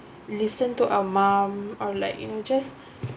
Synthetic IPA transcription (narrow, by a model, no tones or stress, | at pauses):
lisə̃ntuʔawəmãmɔla̰jknod͡ʒas